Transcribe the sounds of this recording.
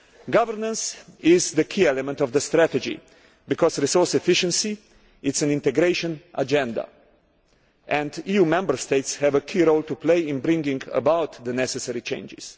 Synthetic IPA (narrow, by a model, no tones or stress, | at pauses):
ɡʌvəɹnə̃nsɪzðəkʰiɛlɛmɛ̃ntɔvðəst̪ɾætɛd͡ʒḭ | bikɔzɹisɔɹsɛfɪʃə̃nsi | ɪtsɨ̃nɪ̃nt̪ɛɡɾeɪʃə̃nʔad͡ʒɛ̃nd̪a̰ | ʔɛ̃ndijumɛ̃mbə˞st̪eɪtshɛvəkʰiɾoʊlt̪upleɪɪ̃nbɾɪ̃ŋɡɪ̃ŋɡə̰bawt̪ðənɛsɛsɛɹit͡ʃḛ̃ɪ̃nd͡ʒɪ̰z̥